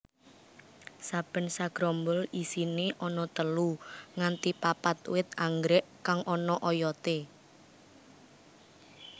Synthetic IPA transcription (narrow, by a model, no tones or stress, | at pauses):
sab̥ə̤nsaɡ̥ɾɔmbəlisineʔɔnɔt̪əluŋant̪ipapat̪̚wɪt̪̚aŋɡɾɛʔkaŋʔɔnɔʔɔjɔt̪e